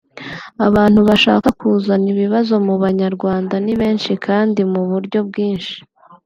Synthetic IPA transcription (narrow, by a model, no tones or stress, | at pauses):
aβaːn̥huβaʃa̰ːkakʰuːzaniβiβazo̞muβaɲaɾɡwaːndaniβe̞ːnʃikʰaːndimuβuɾɟo̞b̚ɡiːnʃi̥